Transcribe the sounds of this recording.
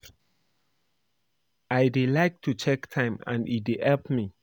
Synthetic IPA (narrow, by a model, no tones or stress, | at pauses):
ajdelaɪk̚tʰut͡ʃʰɛktʰãɪ̃mã̰nithɛlpmi